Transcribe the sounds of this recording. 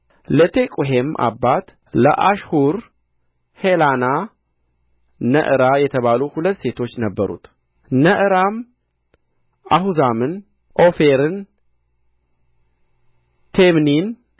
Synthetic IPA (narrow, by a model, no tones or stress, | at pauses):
lət̪ʰe̞kʼuɦemʔa̰bːat̪ | lə̰ʔaʃhuɾ | helana | nə̰ʔɨɾajɛt̪ʰəβalohulət̪ːse̞t̪ʰo̞t͡ʃːnəbːəɾṵt̪ | nəʔɨɾam | ʔahuzamɨn | ʔo̞feɾɨn | t̪ʰemnin